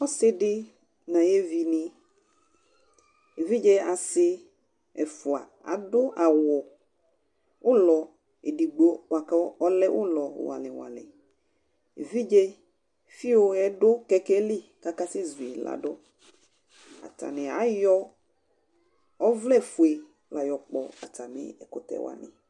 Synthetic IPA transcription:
ɔ˦sɪ˦dɪ˦ | nã˨je˦vi˨nɪ̃˨ | e˨vi˦d͡ʒe˦a˨sɪ˦ | ɛ˨fʊ˨a̰˨ | a̰˨dʊ˦ʔa˨wɔ˨ | ʊ˦lɔ˨ | e˨di˨ɡ͡bo˦wa˨ka˦ɔ˦lɛ˦ʔʊ̰˦lɔ˨wa̰˨lɪ̰˨wa̰˨lɪ̰˨ | e˨vi˦d͡ʒe˦ | fi˦o˨ɛ˨dʊ˦kɛ˨kɛ˦li˦ka˦ka˦sɪ˦zu˨e˨la̰˨dɔ˦ | a̰˨ta̰˨nɪ˨a̰˨˦jɔ˦ | ɔ˦vlɛ˦fʊ˨e˨ | la˨jɔ˨k͡pɔ˨a̰˨tʰa˨nɪ̰˦ɛ˨kʊ˦t̪ɛ̰˨wa̰˨nɪ̰̃˨

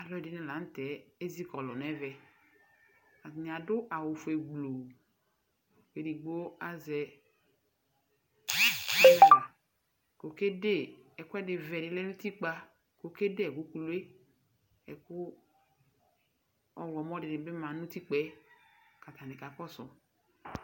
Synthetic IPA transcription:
a˨lɔ˦ɛ˨dɪ˦nɛ˨la˨n̩˦tɛ˨˦e˦zi˦kɔ˨lɔ˨n˨ɛ˦vɛ˨ | a˨n˨a˨dʊ˦a˨wʊ˨fɛ˨ɡ͡blo˨ | ke˨di˨ɡ͡bo˦a˦zɛ˨˦ | nɛ˦la˨ | ko˨ke˦de˦˨ɛ˨kʊ˦ɛ˦dɪ˨vɛ˨dɪ˨lɛ˦nũ˦ti˦k͡pa˦ | ko˨ke˦de˦ɛ˨ɡu˨˦ku˨lu˦e˦ | ɛ̰˨kʊ˦ | ɔ˦lɔ˨mɔ˦dɪ˨nɪ˨bɪ˦mã˨nũ˦ti˦k͡pɛ˦ka˨t̪a˨nɪ˨ka˨kɔ˦sɔ˨

